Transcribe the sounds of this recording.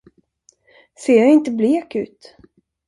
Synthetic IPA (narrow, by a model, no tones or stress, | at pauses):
seːjaɪnt̪əbleːkʉ̟̰ːt̪